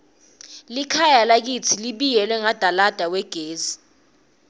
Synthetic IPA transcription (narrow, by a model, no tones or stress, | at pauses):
likʰajalak̬it͡sʰiliɓijɛlwɛŋad̥ʱalad̥ʱawɛɡ̥ʱeːzi